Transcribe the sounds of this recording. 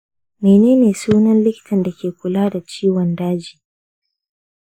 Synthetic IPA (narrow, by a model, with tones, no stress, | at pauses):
meː˨neː˦neː˨suː˦nɐ˦nlɪ˦kʲɪ̥˨tʰɐ˨nda˨kʲeː˨kʷʊ˨laː˦da˨t͡ʃiː˦wɔ˨ndaː˦d͡ʒiː˨